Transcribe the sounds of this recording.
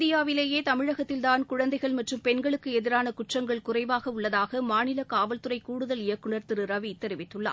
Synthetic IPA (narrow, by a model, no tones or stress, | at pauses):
ðɪjaːʋɪleːjeːt̪ɐmɪɻɐɣɐt̪ːɪlt̪aːnkʊɻɐnd̪ɐɪɣɐɭmɐʈrɯmpɛnɡɐɭɯkːɯɛðɪɾaːnɐkʊʈrɐŋɡɐɭkʊrɐɪʋaːɣɐʊɭːɐðaːɣɐmaːnɪlɐkaːʋɐlt̪ɯɾɐɪkuːɽɯðɐlɪjɐkːɯɳɐɾt̪ɪɾɯɾɐʋit̪ːɛɾɪʋɪːɯɭːa̰